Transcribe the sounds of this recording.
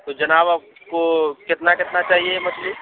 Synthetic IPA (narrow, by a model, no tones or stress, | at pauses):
t̪od͡ʒɐnaːba | kokɪt̪nakɪt̪nat͡ʃaːɦiemɐt͡ʃʰli